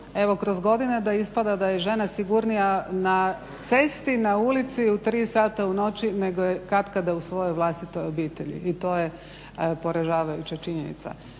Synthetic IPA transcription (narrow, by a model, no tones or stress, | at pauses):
e̞ʋo̞kɾozɡo̞d̪ined̪aispad̪ad̪aje̞ʒe̞nasiɡuɾnijana | t̪sest̪inaulit̪siut̪ɾiːsaːt̪auno̞t͡ɕine̞ɡojekɾat̪kad̪ausʋo̞jojʋlˠast̪it̪o̞jo̞biːt̪e̞ʎḭːt̪o̞ːje | po̞ɾaʒaːʋajut͡ɕat͡ʃiɲenḭt̪sa̰